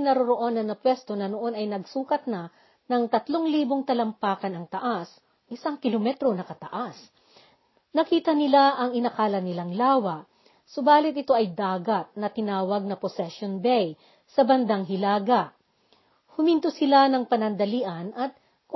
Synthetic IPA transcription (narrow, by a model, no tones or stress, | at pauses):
nɐɾoɾoʔo̞nɐnːɐpwɛst̪o̞nɐnoʔo̞nɐjnɐɡsuːkɐt̪̚nɐ | nɐŋt̪ɐt̪lo̞ŋliːbo̞ŋt̪ɐlɐmpaːkɐnɐŋt̪ɐʔas | ʔɪsaŋkɪlomɛt̪ɾo̞nɐkɐt̪ɐ̰ʔas | nɐkiːt̪ɐnɪlaʔɐŋɪnɐkaːlɐnɪlaŋlaːwɐʔ | sobaːlɪt̪ʔɪt̪o̞ʔɐjd̪aːɡɐt̪̚nɐt̪ɪnaːwɐɡ̚nɐposɛʃjonbɛj | sɐbɐnd̪aŋɦɪlaːɡɐʔ | hʊmint̪osɪlanɐŋpɐnɐnd̪ɐliːʔɐnɐt̪̚ | k